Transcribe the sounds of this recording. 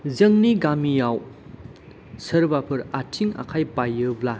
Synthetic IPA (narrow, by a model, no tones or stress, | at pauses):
zɐŋniɡamijaw | sɐɾbapʰɯɾatʰiŋa̰kʰajpajːɯbla